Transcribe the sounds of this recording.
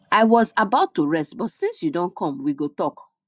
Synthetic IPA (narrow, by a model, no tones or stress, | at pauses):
aɪwɔzabaʊtːuɹɛstbɔtsĩnsjudɔ̃nkʰɔ̃mwiɡotɔk